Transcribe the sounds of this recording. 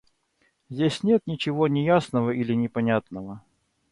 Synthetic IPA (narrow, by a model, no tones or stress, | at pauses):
zʲdʲesʲnʲe̞t̪nʲɪt͡ɕɪvo̞nʲɪjasnəvəilʲɪnʲɪpɐnʲat̪nəvə